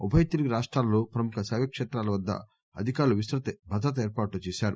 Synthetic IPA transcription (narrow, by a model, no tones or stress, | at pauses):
ubʰʱɐjɐt̪iɾiɡiɾaːʂʈɾaːlɐloːpɾɐmukɐsɐːʋɐkʂeːt̪ɾaːlɐʋɐd̪ːɐ̰ | ɐd̪ʱikaːɾuluʋisɾɐt̪ɐbʱɐd̪ʱɐt̪ɐeːɾpaːʈlut͡ʃɛːʃaːɾu